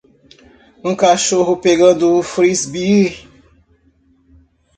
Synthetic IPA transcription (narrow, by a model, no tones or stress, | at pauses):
kaʃoɦupeɡãd̪ufɾisbi